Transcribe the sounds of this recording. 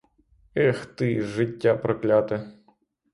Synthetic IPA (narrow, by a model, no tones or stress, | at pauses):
ɛxt̪ɨʐɨtʲːapɾɐklʲat̪ɨ